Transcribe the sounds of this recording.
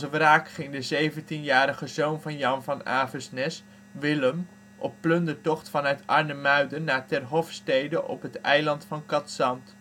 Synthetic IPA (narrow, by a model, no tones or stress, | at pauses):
səʋraːkχɪŋdəzejvəntinjaːɾəχəzownvɑnjɑnvɑna̰ːvəsnɛs | ʋɪləm | ʔɔ̰pːlɵndəɹtɔχtfɑnœɥtɑɹnəmœɥdənaːtɛrɦɔfstejdəʔɔ̰pɦətɛjlɑntfɑnkɑtsɑnt